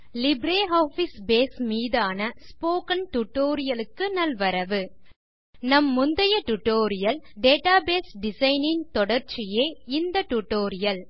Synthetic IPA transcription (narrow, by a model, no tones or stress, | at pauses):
lɪbɾeːɦoːfɪsbeːsmiːðaːnɐspoːkɐnʈʊʈːoːɾɪjɐlɯkːɯnɐlʋɐɾɐʋɯ | nɐmːʊnd̪ɐjɐʈʊʈːoːɾɪjɐl | ɖeːʈaːbeːsɖɪsɐɪnɪnt̪ɔɽɐɾt͡ʃːɪjeːɪnd̪ɐʈʊʈːoːɾɪjɐl